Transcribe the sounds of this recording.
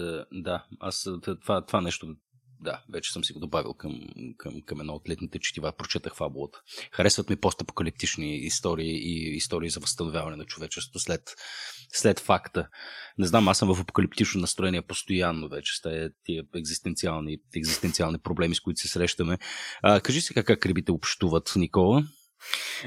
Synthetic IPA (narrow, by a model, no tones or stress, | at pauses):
d̪aast̪ovat̪ovanɛʃt̪o | d̪avɛt͡ʃɛ̥sɤmsiɡod̪obavḭlˠkəmkʰəmkɐmɛd̪nɔot̪lɛt̪nit̪ɛt͡ʃi̥t̪ivapɾot͡ʃɛt̪əxfabulˠət̪ə̥xɐɾɛsvət̪mipɔst̪ɐpo̥kəlip̚t̪it͡ʃniːst̪ɔɾiːʔiːst̪ɔɾiːzɐvəst̪ɐnovʲjavɐnɛnɐt͡ʃʊvɛt͡ʃɛsvo̥t̪ʊslɛt̪slɛt̪fakt̪ənɛznamasəmvəfɐpo̥kɐlipt̪it͡ʃnot̪nəst̪ɾoɛniɛpost̪ojanːovɛt͡ʃɛ̥st̪at̪iəɛɡzist̪ɛnt̪sialˠniɛɡzist̪ɛnsialˠnipɾoblɛmiskʊit̪ʊ̥sɛsɾɛʃt̪əmɛkɐʒisɛ̥kakːakːɾɛbit̪ɛopʃt̪uvət̪nikɔlˠə